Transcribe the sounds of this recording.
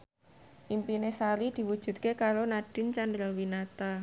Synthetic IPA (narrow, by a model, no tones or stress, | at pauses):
ʔimpinesalid̪̥i̤wud̥ʒ̥ṳt̪̚kekaɾonaɖ̥ɪ̤nt͡ʃand̪ɾɔwinat̪a